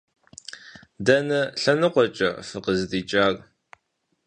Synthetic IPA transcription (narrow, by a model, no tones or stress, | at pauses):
dɐnɐɬɐnɨqʷɔt͡ʃʼɐ̰fɨqəzdiːt͡ʃʼaːr